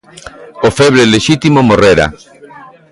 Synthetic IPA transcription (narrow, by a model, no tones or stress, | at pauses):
ofeβɾeleʃit̪imomoreɾa̰